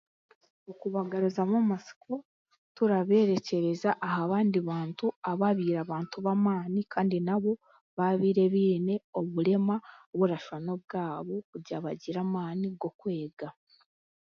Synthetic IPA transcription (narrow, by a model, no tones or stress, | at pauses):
okuβaɡaɾuzamamasi̥ko̞ | tuɾaβe̞ːɾe̞ce̞ɾe̞zaʔːhaβaːndiβaːntuaβaβiːɾaβaːntuβamaːnikʰaːndinaβo̞ | βaβiːɾe̞βiːne̞o̞βuɾe̞maoβuɾaʃano̞bɡaːβo̞kuɟaβaɟiɾamaːniɡo̞kwe̞ːɡa